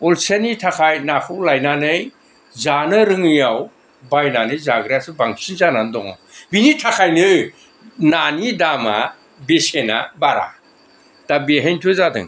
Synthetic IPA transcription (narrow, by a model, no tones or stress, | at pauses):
ɔlsenitʰakʰajnakʰɯwlajnanɯj | zanɯɾɯŋɯjaw | bajnanɯjzaɡɾasɯbaŋsinzanandɔŋa̰wbinitʰakʰajnɯ | nanidama̰ | besena̰baɾa̰ | d̥abiɦejntʰuzadɯ̰ŋ